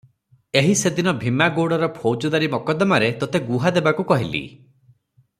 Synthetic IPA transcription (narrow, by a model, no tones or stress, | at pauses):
eɦised̪inɔbʱimːaɡoɽɔɾɔpʰowd͡ʒɔd̪aɾimɔkɔd̪ɔmaɾet̪ɔt̪eɡuɦad̪ebakukɔɦilḭ